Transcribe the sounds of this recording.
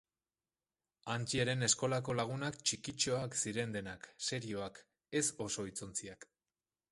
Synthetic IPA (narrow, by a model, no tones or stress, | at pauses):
ant͡ʃiaɾe̞ne̞sko̞lako̞laɣ̞unakt͡ʃikit͡ʃo̞aksiɾe̞nd̪e̞nakse̞ɾio̞ak | e̞so̞so̞it͡so̞nt͡siak